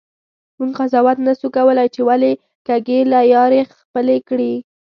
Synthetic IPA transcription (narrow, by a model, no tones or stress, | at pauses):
muɡqazɑwat̪naʃukawəlajt͡ʃewale | kaɡelajɑɾexpəlekɽi